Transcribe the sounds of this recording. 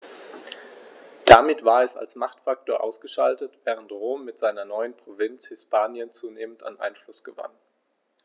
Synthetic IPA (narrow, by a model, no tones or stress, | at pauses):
d̥amɪtv̥aːɐɛsa̰lsmaχtfak̚toːɐʔaʊsɡ̥əʃaltətv̥ɛːʁ̞əntʁoːmːɪtz̥aɪnɐnɔʏənpʁ̥ovɪnt͡shɪspʰaːnjənt͡suːneːmənta̰nʔa̰ɪnflʊsɡ̥əva̰n